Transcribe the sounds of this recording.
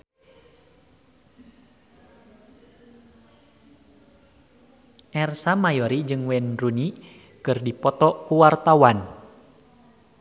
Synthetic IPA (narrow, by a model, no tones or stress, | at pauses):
ʔɛrsamajɔɾid͡ʒɨŋwɛnruni | kɨrdipɔt̪ɔkuwart̪awan